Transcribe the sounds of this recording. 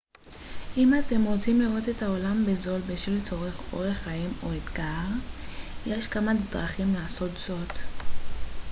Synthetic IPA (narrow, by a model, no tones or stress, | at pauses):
ʔimate̞mʁo̞t͡simliʁo̞tetaolambezo̞lbeʃvilet͡so̞ʁeχo̞̰ʁeχaimo̞etɡaʁjeʃkamanitʁaχimlaːso̞tz̥o̞t